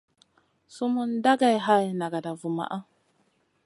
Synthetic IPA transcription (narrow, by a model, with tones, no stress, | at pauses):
su˦mu˦nda˦ɡa˦˨jɦa˦jna˨ɡa˨da˨vu˨ma̰˨ʔa˦